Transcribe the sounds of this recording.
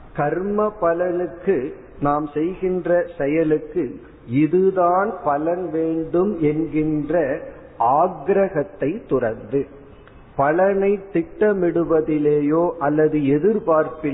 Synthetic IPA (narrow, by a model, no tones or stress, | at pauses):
kɐɾmɐpːɐlɐnɯkːɯ | naːmsɛjɣɪndrɐsɛjɐlɯkːɯ | ɪðɯðaːnpɐlɐnʋeːɳɖɯmɛnɡɪndrɐ | aːɡɾɐɣɐt̪ːɐɪt̪ːʊrɐɾnd̪ɯ | pɐlɐnɐɪt̪ːɪʈːɐmɪɽɯʋɐðɪleːjoːʔɐlːɐðɯɛðɪɾpaːɾpɪ